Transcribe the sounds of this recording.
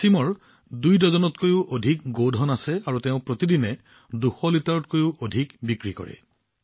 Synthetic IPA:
simɔɹ | dujdɔzɔnɔtkojʊʔodʱik̚ɡodʱɔnasɛaɹuteʊ̃pɹot̪idinɛ | duxɔlitaɹɔt̚kojʊʔodʱikbikɹikɔ̰ɹɛ̰

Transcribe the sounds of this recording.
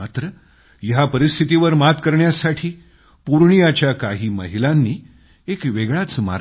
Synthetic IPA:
at̪ɾə | jɦapəɾist̪ʰit̪iʋəɾmat̪kəɾɳjasaʈʰiː | puɾɳ̃ijat͡ɕjakaɦiːmə̰ɦilanːiː | ekʋeɡɭat͡sma̰

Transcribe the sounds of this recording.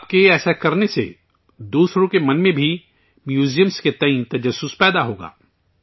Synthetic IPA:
aːp̚keɛːsakɐɾnesḛ | d̪uːsɾõkemɐnmẽbʱi | mjuːzijəmsket̪ɐ̃ĩt̪ɐd͡ʒəsːʊspɛːd̪aɦoːɡa̰ː

